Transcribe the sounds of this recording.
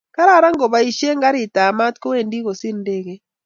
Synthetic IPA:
ka˦ɾa˦˨ɾa˦ŋɡɔ˨βa˨i˨ʃe˦ŋɡa˦ɾi˨taː˨ma˦tkɔ˦wɛː˦˨ndi˦ɣo˨si˦nde˦ɣɛ˦

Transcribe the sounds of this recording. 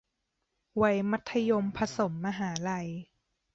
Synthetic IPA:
wa˧˩jma˦˥t̪ʰːa˧jo˧mpʰa˧so˨˩˦mːa˧ɦaː˩˦la˧j

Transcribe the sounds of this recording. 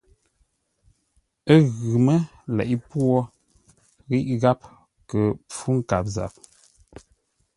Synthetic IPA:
ə˦ɣʉ˨mə˦ | lɛ̰˨ʔi˦pwɔ˦ | ɣi˦ʔɣa˦p̚ | kə˨p͡fu˦ŋ̩˨ka˨p̚za̰˨p̚

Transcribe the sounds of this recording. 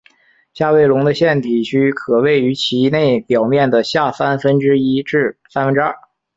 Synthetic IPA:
ɕja˥˧we˥˩ɪlʊ˧˥ŋd̪ə˧ɕjɛ˥˩nt̪ʰi˨˩t͡ɕʰy˥kʰɤ˨˩we˥˩ɪy˧˥t͡ɕʰi˧˥ne˥˩ɪpjɑ˨˩ʊmjɛ˥˩nd̪ə˩ɕja˥˩sa˥nfə˥nʈ͡ʂɻ̩˥i˥ʈ͡ʂɻ̩˥˩sa˥nfə˥nʈ͡ʂɻɐ̰˥˩

